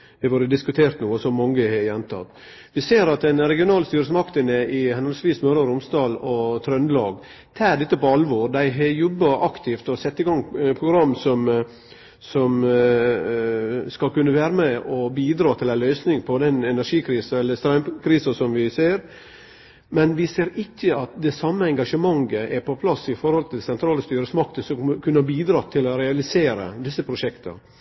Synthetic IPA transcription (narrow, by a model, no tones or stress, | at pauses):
ɛʋoːɾəd̪ɪskʉt̪ʰeːɾt̪nuːəsɔmɑŋːəhɛjɛnt̪ʰɑ̰t̪ː | ʋɪseːɾɑt̪̚d̪ɛnɾɛɡɪʊnɑːləst̪yːɾəsəmɑkt̪ənəɪhɛnd̪lsʋiːsmøːɾɑɾʊmst̪ɑːlɔt̪ʰɾœnlɑːɡ | t̪ʰæːd̪ɪt̪ːəpɔɑlʋoːɾd̪æɪɦɛjɔbːɑʔɑkt̪ʰɪft̪ɔsɛt̪ːɪːɡɑŋpʰɾʊɡɾɑmːsɔm | sɔm | skɑlkʉnːəʋæːɾəmɛɔbiːd̪ɾɑːt̪ʰɪlæɪlœʏsnɪŋpʰɔd̪ɛnɛnæʂiːkʰɾiːsɑɛlːəst̪ɾɛmkʰɾiːsɑsɔmʋɪseːɾ | mɛnʋɪseːɾɪkːəɑt̪̚d̪ɛsɑmːəɛŋɡɑʂəmɑŋɡəʔɛpʰɔpʰlɑsɪfɔɾhɔlt̪ʰɪlsɛnt̪ʰɾɑːləst̪yːɾəsmɑk̚t̪əsɔkʰʉnːəhbiːd̪ɾɑːt̪ʰɪlɔɾɛɑlɪseːɾə̰d̪ɪsːəpʰɾʊʂɛkt̪ʰɑ̰